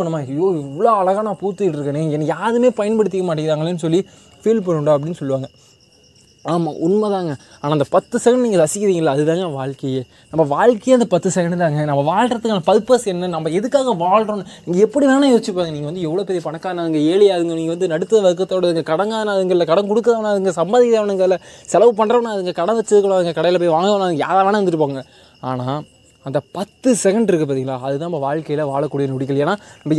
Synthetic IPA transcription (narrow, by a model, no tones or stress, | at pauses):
ɳːɯmaːɪoːɪʋːɐɭoːɐɭɐɣaːnaːpuːɾt̪ːɯʈːɪɾɯkːɐnẽːɛnːɐjaːðɯmeːpɐjɐnpɐɽɯt̪̬ːɪkːɐmaːʈːɪɡɾaːŋɡɐlenːɯsɔlːi | fiːlpɐnːɯɳɖoːɐp̬ːɐɽɪnːɯsɔlːɯʋaːŋɡɐ | aːma̰ʔʊnmɐðaːŋɡɐ | aːnaːɐndɐpɐt̪ːɯsɛɣɐɖniːŋɡɐdɐsɪkːɪðiːŋɡɐɪlːɐːðɯðaːŋɡɐʋaːɻkɐjeː | nɐmːɐʋaːɻkɐjeːɐnd̪ɐpɐt̪ːɯsɛɣɐɳɖt̪aːŋɡɐnɐmːɐʋaːɻɾɐt̪ːɯkːɐnɐpɐðɯpːɐsɛnːɐnɐmːɐɛðɯkːaːɣɐʋaːɭɾõːnniːŋɡɐɛpːɐɽinaːnaːjoːt͡ʃːɯpːaːŋɡɐniːŋɡɐʋɐnd̪ɯɛʋɯɭoːpɛːɾijɐpɐɳɐkːaːnaːɐðɯŋɡɐeːɭɪjaɐðɯŋɡɐniːŋɡɐʋɐnd̪ɯnɐɽɯt̪ːɐðɐʋɐɾɯk̬ːɐt̪ːoːɽɐðɯŋɡɐkɐɽɐŋɡaːnaɐðɐŋɡɐlːɐkɐɽɐŋk̬ɔɽɯk̬ːɐðɐʋnːaːɐðɯŋɡɐsɐmbaːðɪkːɐðɐʋɐnɐŋɡɐlɐsɛlɐʋɯpɐnːɾɐʋɐnːaːɐðɯŋɡɐkɐɽɐ̃ʋɛt͡ʃːɯðɯkːɐɳɐðɯŋɡɐkɐɽɐjɪlɐp̬oːjʋaːŋɡnːaːɐðɯŋɡɐja̰ːɾaːʋaːnʋɐnd̪ɯʈːɯpːaːŋɡɐ | a̰ːnaː | ɐnd̪ɐpɐt̪ːɯsɛkɐɳɖɪɾɯkːɯp̬aɾðiːŋɡɐlaːɐðɯt̪ãːnɐmːɐʋaːɻkɐjɪlɐʋa̰ːɭɐkːuːɽɪjɐnʊɽɪkːɐlɐjeːnaːnɐmbɐ